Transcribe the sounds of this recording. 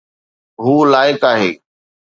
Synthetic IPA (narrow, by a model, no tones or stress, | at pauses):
ɦuːlaːɪkaːɦeː